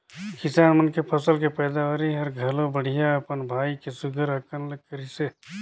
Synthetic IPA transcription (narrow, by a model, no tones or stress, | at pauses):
kɪsaːnmənkepʰɐsəlkepɛːd̪aɦoːɾiɦɐɾɡʱəlõbəɽ̤ijaɐpənbʱaːikesʊɡʱəɾəkənləkːəɾise